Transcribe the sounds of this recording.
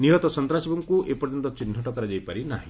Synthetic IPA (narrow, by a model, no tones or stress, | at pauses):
niɦɔt̪ɔsɔnt̪ɾasibɔŋkuʔepɔɾd͡ʒɔnt̪ɔt͡ʃin̤ʱːɔʈɔkɔɾad͡ʒajpaɾinaɦĩ